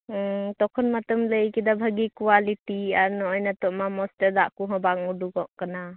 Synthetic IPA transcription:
tɔkʰɔnmatɔmləjkid̪abʱaɡikuwalitiaɾnɔɔjnatɔʔmamɔstəɾd̪aʔkuɦɔbaŋuduɡɔʔkana

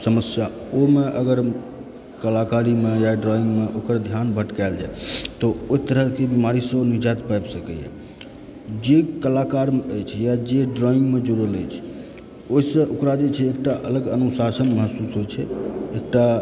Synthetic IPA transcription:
səməsja | omeʔəɡəɾ | kəlakaɾimejaɖɾɔĩŋɡmeʔokəɾd̪ʱjanbʱəʈkald͡ʒa̰et̪ɔoit̪əɾəɦkebimaɾisə̃nid͡ʒat̪pajbsəkɛjɛ̰ | d͡ʒekəlakaɾmeəjt͡ʃʰɛjad͡ʒeɖɾɔiŋɡmed͡ʒəɾuɾələ̰jt͡ʃʰɛ̥ | oisə̃ʔokɾad͡ʒet͡ʃʰɛːk̚ʈaʔələɡənusasənməɦəsːusɦojt͡ʃʰɛek̚ʈa

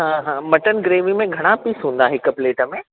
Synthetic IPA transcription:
ɦãːɦãːmɐʈənɡɾeːʋimẽɡʱɐɽ̃apiːsɦũːnd̪aɦɪkʊ̆pleːʈə̆mẽ

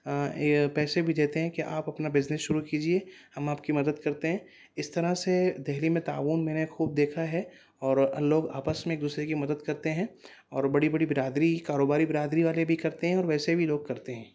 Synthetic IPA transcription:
pɛːsebʱid̪eːt̪eɦɛ̃keʔaːpɐpnabɪznɪsʃʊɾukiːd͡ʒiehɐmaːp̚kimɐd̪əd̪kɐɾt̪eɦɛ̃ː | ɪst̪ɐɾased̪ɛɦlimẽt̪a̰ːʋuːnmɛːnexuːb̚d̪eːkʰaɦɛ | ɔːɾɐ̰loːɡa̰ːpəsmẽeːkd̪uːsɾekimɐd̪əd̪kɐɾt̪eɦɛ̃ː | ɔːɾbɐɽibɐɽibɪɾaːd̪ɾikaːɾoːbaːɾibɪɾaːd̪ɾiʋaːlebʱikɐɾt̪eɦɛ̃ɔːɾʋɛːsebʱiloːɡ̚kɐɾt̪eɦɛ̃ː

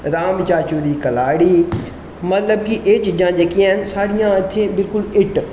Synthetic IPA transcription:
ɾaːmt͡ʃaːt͡ʃuːɾiːkəlaːɽiː | mət̪ləbkiʔeːt͡ʃd͡ʒãːd͡ʒəkiɛ̃nsaːɽɪjãt̪ʰːẽːbɪlkʊlɪʈ

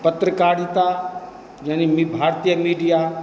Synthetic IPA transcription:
pət̪ɾəkaːɽit̪a | d͡ʒanimibʱaːɾt̪ijəmiːɖija

